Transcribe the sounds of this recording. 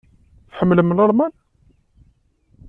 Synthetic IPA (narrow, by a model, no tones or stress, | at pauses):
θħəmːləmːlɑɾˤmæn